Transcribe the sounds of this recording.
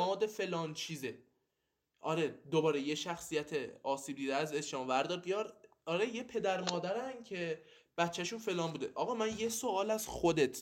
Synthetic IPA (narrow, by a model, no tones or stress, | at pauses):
ɒːd̪efe̞lɒːnt͡ʃʰiːze | ʔɒɾe̞d̪obɒːɾejeʃæxsijæt̪ʰeɒːsiːb̚d̪iːd̪eæze̞sʃɒːmvæɾd̪ɒːɾ̚bijɒɾ | ɒɾe̞jepʰe̞d̪æɾmɒːd̪æɾæncʰe̞ | b̥æt̪ːt͡ʃːæʃunfe̞lɒːnbuːd̪eʔɒːɣɒːmænjesoɒːlæz̥xo̞d̪e̞t̪ʰ